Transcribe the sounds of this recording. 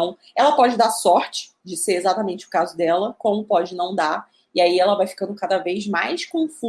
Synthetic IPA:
ɐ̃w̃ | ɛlɐpɔd͡ʒɪd̪asɔɾt͡ʃɪ̥ | d͡ʒɪseɾezat̪ɐmẽnt͡ʃɪʊ̥kazʊd̪ɛlɐkõmʊpɔd͡ʒɪnɐ̃w̃d̪aɾ | ɪaiɛlɐvajfi̥kɐ̃nd̪ʊkad̪ɐvejzmajskõfu

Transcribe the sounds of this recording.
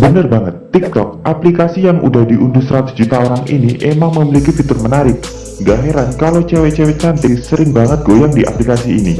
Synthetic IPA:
bənərbaŋət̪ːik̚t̪ɔk̚ʔaplikasijaŋʔṵdahdiʔundusəɾat̪ʊ̥sd͡ʒut̪aoɾaŋḭniʔemaŋməmilikifit̪ʊrmənaɾɪp̚ | ɡaɦeɾankalot͡ʃewet͡ʃewet͡ʃant̪isəɾɪŋbaŋət̪̚ɡ̥ojaŋdiʔa̰plikasiːni

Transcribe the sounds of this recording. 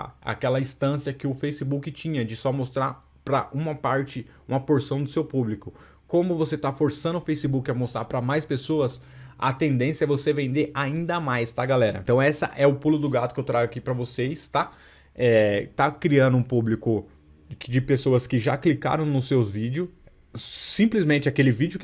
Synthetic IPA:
a̰kɛlɐĩst̪ɐ̃siɐkɪʊfejsɪbukɪt͡ʃĩɲɐd͡ʒɪsɔmost̪ɾaɾ | pɾɐʔũmɐpaɾt͡ʃɪ | ũmɐpoɾsɐ̃w̃d̪ʊsewpublikʊ | kõmʊvoset̪afoɾsɐ̃nd̪ʊfejsɪbukɪɐmost̪ɾapɾɐmajspesoɐsɐ̰t̪ẽnd̪ẽsjɐɛvosevẽnd̪eʔaĩnd̪ɐmajst̪ɐɡalɛɾɐ̰t̪ɐ̃w̃ɛsɐ̰ʔɛʊpulʊd̪ʊɡat̪ʊ̥kɪewt̪ɾaɡʊakipɾɐvoseɪst̪a | ɛt̪akɾiɐ̃nd̪ʊũpublikʊ | d͡ʒɪpesoɐskɪʒa̰klika̰ɾɐ̃w̃nʊsewvid͡ʒɪʊ | sĩmplɪzmẽt͡ʃɪakelɪvid͡ʒɪʊkɪ

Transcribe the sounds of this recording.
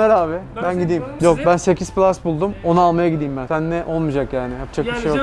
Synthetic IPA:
eɾaːβɛbænɟid̪iːmjo̞k̚bænse̞cʰizplʲˠasbulˠd̪umo̞nualˠmajaɟid̪iːmbænsænːɛʔo̞lˠmɯːd͡ʒakjaːnɪhap̚t͡ʃʰakbiʃejo

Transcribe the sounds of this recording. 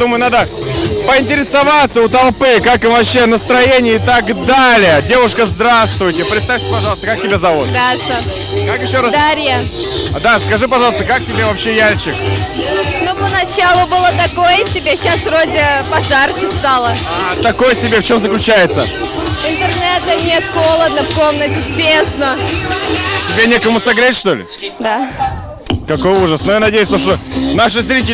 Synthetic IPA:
d̪uməjʊnad̪ə | pəɪnʲtʲɪɾʲɪsɐvat̪səʊt̪ɐlˠpɨkakɨmvɐpɕːenəst̪ɾɐjenʲɪjəɪt̪aɡd̪alʲɪjədʲe̞vʊʂkəzd̪ɾast̪vʊjtʲɪpɾʲɪt̪st̪afʲsʲpɐʐɑlˠst̪əkak̚tʲɪbʲezɐvot̪d̪aʂɨ | kakjɪɕːoɾasd̪aɾʲjad̪askɐʐɨpɐʐɑlˠəst̪əkak̚tʲɪbʲevɐpɕːejalʲt͡ɕɪk | nupənɐt͡ɕalˠʊbɨlˠət̪ɐkojəsʲɪbʲeɕasvrodʲɪpɐʐart͡ɕɪst̪alˠə | at̪ɐko̞jəsʲɪbʲeft͡ɕo̞mzəklʲʉt͡ɕæjɪt̪sə̰ | ɪnt̪ɨrnɛt̪ənʲet̪xo̞lˠəd̪̚nəfko̞mnətʲɪtʲesnə | ɐtʲɪbʲenʲekəmʊsɐɡɾʲetʲʂt̪o̞lʲɪ̰ | d̪a | kɐko̞juʐəsnojanɐdʲejʊsʲt̪oʂt̪onaʂ̬ɨz̬ɾʲit̬ʲɪ

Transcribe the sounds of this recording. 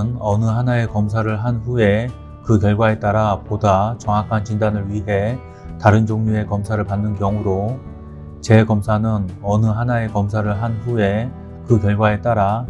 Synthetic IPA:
nʌnɯɦanae̞kʌmsʰaɾɯɭɦanɸue̞ | kɯkjʌɭɡwae̞t͈aɾapodat͡ɕʌŋɦakʰant͡ɕindanɯɭɥiɦe̞ | taɾɯnd͡ʑoŋɲue̞kʌmsʰaɾɯɭpanːɯnkjʌŋuɾo | t͡ɕe̞kʌmsʰanɯnʌnɯɦanae̞kʌmsʰaɾɯɭɦanɸue̞ | kɯkjʌɭɡwae̞t͈aɾa

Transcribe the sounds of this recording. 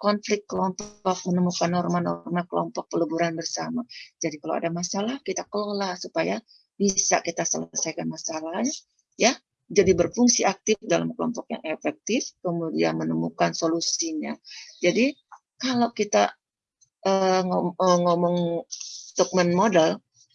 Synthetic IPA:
kɔnflɪkt̪̚kəlɔmpɔk̚mənəmukanːɔrmanɔ̰rmakəlɔ̰mpɔk̚pələbuɾanbərsamad͡ʒadikalo̰wa̰damasalahkit̪akəlolahsupaja | bisa̰kit̪asələsajkanmasalahɲ | ja | d͡ʒadibərfuŋsiak̚t̪ɪfdalamkəlɔ̰mpɔk̚ja̰ŋʔefɛk̚t̪ɪfkəmudia̰nmənəmukansolusiɲa̰d͡ʒadi | kalowkit̪a̰ | ʔəŋoəŋomɔŋ | t̪ɔk̚mɛnmodɛl

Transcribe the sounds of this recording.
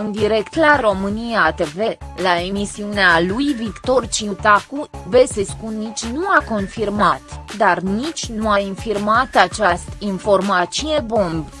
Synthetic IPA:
ɨnd̪iɾe̞kt̪laro̞mɨnijat̪eve̞lae̞misiunealujvikt̪o̞rt͡ʃiut̪akuveseskunnːit͡ʃʲnuako̞nfirmat̪d̪arnit͡ʃʲnuainfirmat̪at͡ʃast̪info̞rmat͡ʃiebo̞mb

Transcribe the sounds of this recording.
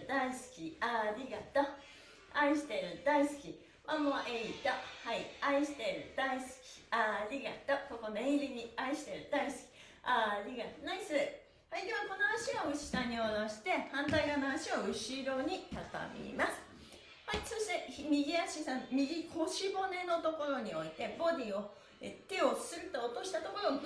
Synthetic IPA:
d̪aisɨ̥kʲiaɾʲiɡat̪ːa | aiɕi̥t̪e̞ɾɯ̟d̪̥aisɨ̥kʲi | βamoːʔeit̪ahaiaiɕi̥t̪e̞ɾɯ̟d̪̥aisɨ̥kʲi̥aɾʲiɡat̪ːako̞konoẽɾʲiɲiaiɕi̥t̪e̞ɾɯ̟d̪aisɨ̥kʲi̥ | aɾʲiɡat̪naisɨ | haid̪e̞βako̞noaɕiβaɯ̟ɕi̥sãɲ̟ːionaɕi̥t̪e̞hãnt̪aiɡanoaɕioɯ̟ɕiɾo̞ɲ̟it̪at̪a̰mḭmasɨ̥ | haiso̞ɕi̥t̪e̞çmʲiɡʲiaɕisãmmʲiɡʲikʰo̞ɕibo̞ne̞no̞t̪o̞ko̞ɾo̞ɲ̟io̞it̪e̞bo̞d̪ʲĩo̞ | et̪e̞o̞sɨɾɯ̟t̪oːt̪o̞ɕi̥t̪at̪o̞ko̞ɾo

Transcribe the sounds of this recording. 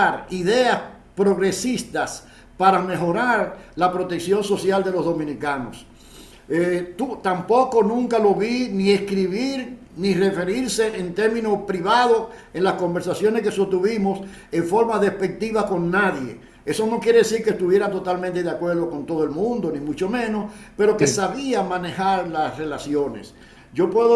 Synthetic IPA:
aɾiðe̞as | pɾo̞ɣɾe̞sist̪as | paɾame̞ɦo̞ɾaɾlapɾo̞t̪e̞ksjo̞nso̞sjald̪e̞lo̞zðo̞mĩnikano̰s | et̪ut̪ampo̞ko̞nũŋkalo̞βinieskɾiβiɾ | nire̞fe̞ɾiɾse̞ʔent̪e̞ɾmĩno̞pɾiβaðoenlasko̞mbe̞ɾsasjo̞neskesot̪uβimos | e̞ɱfo̞ɾmaðe̞spe̞k̚t̪iβako̞nːaðje̞̰ | e̞so̞no̞kjeɾe̞ðesiɾkest̪uβje̞ɾat̪o̞t̪almẽnt̪e̞ðjakwe̞ɾðo̞ko̞nt̪o̞ðoelmũnd̪o̞nĩmut͡ʃo̞mẽ̞nospe̞ɾo̞kesaβiamãne̞haɾlasre̞lasjo̞ne̞̰s | ɟ͡ʝo̞pweðo

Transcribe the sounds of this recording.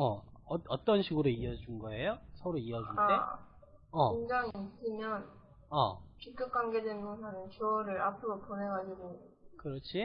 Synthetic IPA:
ʌʌʌt͈ʌnɕʰiɡuɾoiʌd͡ʑunɡʌe̞josʰʌɾoiʌd͡ʑunade | ʌiŋd͡ʑaŋiːs͈ɯmjʌn | ʌt͡ɕik̚k͈ʌp̚k͈amɡe̞dwenɡonsʰanɯnt͡ɕʌɾɯɾapʰɯɾoponɦe̞ɡad͡ʑiɡo | kɯɾʌt͡ɕʰi

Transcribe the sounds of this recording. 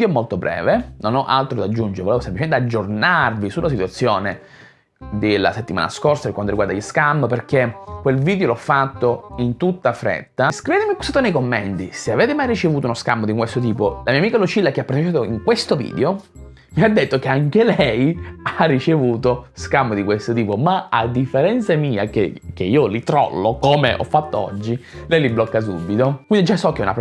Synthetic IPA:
d̪joɛmolt̪obɾɛ̰ːvenonɔʔa̰lt̪ɾod̪ad͡ʒːund͡ʒeɾevolevosemplit͡ʃement̪ead͡ʒːornarvisulʔas̬it̪wat̪sːjoːne | d̪elːa̰set̪ːima̰ːna̰skorsapeɾkwant̪oɾiɡwaɾd̪aiʎskambperk̟ekwelviːd̪eolɔfːat̪ːoint̪ut̪ːafɾɛ̰t̪ːaskɾiveːt̪emiapusat̪ːonejkomːɛnt̪iseaveːt̪emajrit͡ʃevuːt̪ounoskambod̪ikwest̪ot̪iːpolamiamiːkalot͡ʃilːak̟eapːaɾt̪et͡ʃaːt̪oiŋkwest̪ovḭːd̪eo | miad̪ːet̪ːok̟eaŋk̟elɛjarːit͡ʃevuːt̪oskamːod̪ikwest̪ot̪iːpomaa̰d̪ːifːeɾɛnt̪samiːa̰kḛk̟eiːolit̪ɾɔ̰lːokomḛʔɔ̰fːat̪ːoɔ̰d͡ʒːilɛjliblɔkːas̬ṵbːit̪okwind̪id͡ʒasɔk̟ːɛṵna̰p

